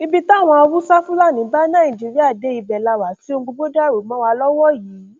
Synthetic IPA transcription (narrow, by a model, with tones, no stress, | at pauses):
i˧bi˧ta˦˨w̃ɔ̃˧ɔ˧wu˦sa˦fũ˦la˦˨nĩ˨˦ba˦nã˦˨ĩ˨d͡ʒi˨˦ɾi˦a˦˨de˨˦i˧bɛ˨la˧wa˨ti˨˦o˧ɡ͡bo˧ɡ͡bo˦da˦˨ɾo˨˦mɔ̃˨˦wa˧lɔ˦wɔ˦jiː˨˦